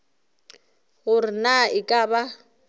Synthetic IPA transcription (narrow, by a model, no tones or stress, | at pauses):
ɣʊrɪnaɪkʼaba